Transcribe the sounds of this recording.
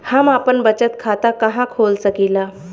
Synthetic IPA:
hamapəɳbət͡ɕət̪̚kʰat̪akəɦãkʰolsəkila

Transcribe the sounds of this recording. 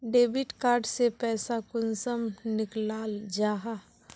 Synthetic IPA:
ɖeːbɪʈkaːɾɖsepɛːsakʊnsəmnɪklaːld͡ʒaːɦa

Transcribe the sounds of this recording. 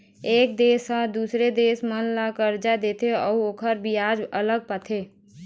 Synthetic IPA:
eːkd̪eːsãd̪uːsɾed̪eːsmənlakəɾd͡ʒad̪eːt̪eɔ̰ːoːkʰəɾbʱiaːd͡ʒələɡ̚pat̪ʰeː

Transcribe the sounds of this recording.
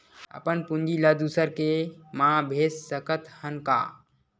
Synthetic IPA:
ə̰pənpund͡ʒiləd̪usəɾkemãbʱeːsːəkət̪hənka̰ː

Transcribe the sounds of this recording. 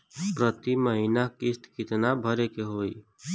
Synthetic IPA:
pɾət̪iməɦinakɪst̪kɪt̪nabʱəɾekeɦoːi

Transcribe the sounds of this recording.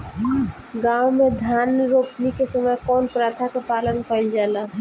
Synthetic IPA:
ɡãwmed̪ʱjaːnɾoːpnikesəməjkɔːnpɾaːt̪ʰakepaːlənkəɪld͡ʒaːla

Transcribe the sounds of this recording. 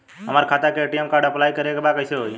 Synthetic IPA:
ɦəmaːɾkʰat̪ekeʈimkaːɾɖəplaːikəɾekebakəɪseɦoi

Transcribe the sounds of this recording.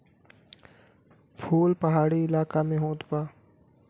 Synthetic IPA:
pʰuːlpɐɦaːɽiɪlaːkamẽɦoːt̪baː

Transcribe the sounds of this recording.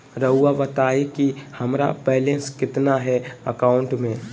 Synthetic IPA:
ɾɐɦuaʋɐt̪aːekihɐmɾa̰pɛɦlẽskɪt̪naɦɛɐkaːʊ̃ɳʈmẽː

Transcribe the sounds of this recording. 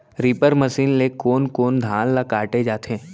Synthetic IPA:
ɾiːpəɾməsiːnlekoːnkoːnd̪ʱaːnlakaːʈed͡ʒaːt̪ʰɦẽː

